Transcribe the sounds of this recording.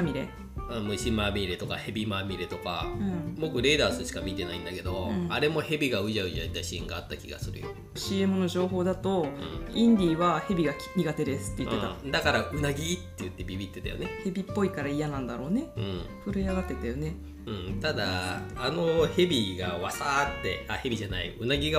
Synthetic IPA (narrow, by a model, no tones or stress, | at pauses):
amʲiɾe̞̰ | ɯmɯ̟ɕimamʲiɾe̞t̪o̞kahe̞bʲimamʲiɾe̞t̪o̞ka̰ɯ̟̃mo̞kɯ̟ɾe̞ːd̪aːsɨɕi̥kamʲit̪e̞naĩnd̪ake̞d̪o̞ɯ̃aɾe̞mo̞he̞bʲiɡaɯ̟ʑaɯ̟d͡ʑait̪aɕiḛ̃ŋɡaːt̪ːakʲiɡa̰sɨɾɯ̟jo̰ | ɕiːe̞mɯ̟no̞ʑo̞ːɦo̞ːd̪at̪o̞ɯ̰̃ĩnd̪ʲiːβahe̞bʲiɡakʲmʲiɡat̪e̞d̪e̞sɨ̥t̪ːei̟t̪ːet̪ad̪akaɾaʔɯ̟naɡʲit̪ːe̞jɯ̟t̪ːe̞bʲibʲit̪ːe̞t̪a̰jo̰nehe̞bʲipːo̞ikaɾaijanãnd̪aɾo̞ːne̞ɯ̰̃so̞ɾejaɡat̪ːe̞t̪ajo̞ne̞ | ɯ̟̃ɴt̪ad̪aːno̞he̞bʲiɡaβasaːt̪ːe̞̰ahe̞bʲiʑanaḭɯ̟naɡʲiɡa